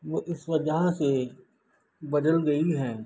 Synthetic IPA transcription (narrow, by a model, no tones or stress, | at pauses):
ʋoːʔɪsʋɐd͡ʒɐɦãse | bɐd̪əlɡɐiɦɛ̃ː